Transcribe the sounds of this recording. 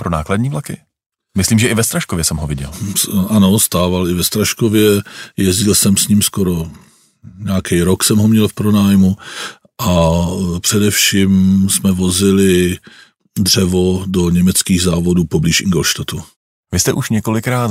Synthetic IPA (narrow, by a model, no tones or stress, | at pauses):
pɾonaːkladɲiːvlakɪ | mɪsliːmʒɛʔɪvɛst̪ɾaʃkovjɛsɛmɦovɪɟɛ̰lsʔano̞st̪aːvalɪvɛst̪ɾaʃkovjɛjɛzɟɪlsɛmsɲiːmskoɾo̞ | ɲaːkɛjɾoksɛmɦomɲɛlfpɾonaːjmu | ʔapr̥ɛdɛfʃimsmɛvo̞zɪlɪ | d̪r̝̥ɛvodoɲɛmɛt͡skiːɣzaːvo̞duːpobliːʃʔɪŋɡolʃt̪at̪u | vɪst̪ɛʔuʃɲɛko̞lɪkɾaːt̪